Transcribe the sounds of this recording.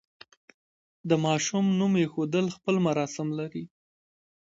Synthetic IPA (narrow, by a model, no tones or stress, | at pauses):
d̪əmɑʃumnumjexod̪əlxpəlmaɾɑsɪmlaɾi